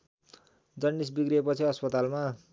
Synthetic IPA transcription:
d͡zʌnːis̬biɡriepʌt͡sʰiʌspʌt̪alma

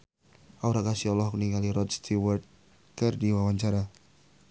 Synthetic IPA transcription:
ʔawɾakasiɔlɔhkniŋaliɾɔd̪st̪ʰiwərt̪̚ | kərdiwawaɲt͡ʃaɾa

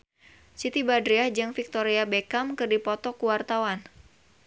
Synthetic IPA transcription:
t͡ʃit̪ibadɾiahd͡ʒɨŋfik̚t̪oɾiabekamkɨrdipɔt̪ɔkuwart̪awan

